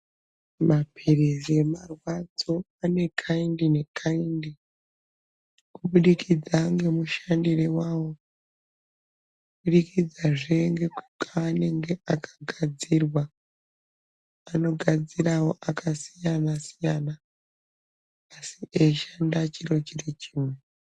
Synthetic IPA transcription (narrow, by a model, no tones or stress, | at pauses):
mapʰirizemarwad͡zo̞ | ane̞kʰaindine̞kʰaindi | kuɓuɗikid͡zaŋɡe̞muʃandirewawo̞ | uɓuɗikid͡zaʐeŋɡe̞kukaːne̞ŋɡe̞ʔakʰḁɡʱad͡zirwa | ano̞ɡʱad͡ziɾawo̞ʔakʰasijanasijana | siʔeʃandat͡ʃiro̞t͡ʃirit͡ʃiːmwe